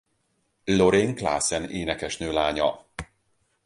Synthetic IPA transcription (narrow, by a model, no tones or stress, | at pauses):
loɾeːŋkla̰ːsɛneːnɛkɛʃnøːlaːɲɒ